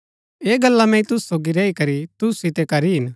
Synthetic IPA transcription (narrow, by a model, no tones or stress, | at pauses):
eːɡɐlːamɛ̃ĩt̪ʊssoːɡiɾɛːikɐɾit̪ʊssɪt̪ekɐɾiɦɪn